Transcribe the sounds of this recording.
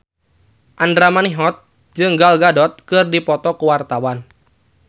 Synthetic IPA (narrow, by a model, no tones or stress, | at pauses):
ʔandɾamaniɦɔt̪̚ | d͡ʒɨŋɡalɡadɔt̪̚kɨrdipɔt̪ɔkəwart̪awan